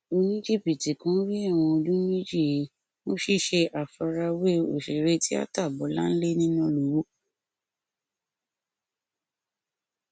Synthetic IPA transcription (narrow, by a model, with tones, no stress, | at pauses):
o˧nĩ˦d͡ʒe˦˨bi˨ti˨kã˨˦ɾi˦a˦˨w̃ɔ̃˧o˧d͡ʒũ˦mĩ˦d͡ʒi˦˨e˨˦ | nõ˦ʃi˦˨ʃe˧ʔa˨fa˧ɾa˧we˦o˨ʃe˨ɾe˧˦ti˦a̰˦ta˦˨bɔ˨˦la̰˦n̩˦le˦nĩ˦nã˦lo˨˦wo˦